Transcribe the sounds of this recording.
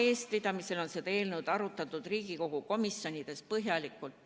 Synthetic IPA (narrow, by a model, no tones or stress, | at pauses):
e̞ːst̪̚pit̪ɑmise̞lo̞nsed̪ɑeːlnud̪̥ɑɾut̪ːˑɑt̪ːˑud̪̥riːɡ̥iko̞ɡ̥uko̞misːjo̞nʲid̪̥e̞spɤɦjɑlikːˑult̪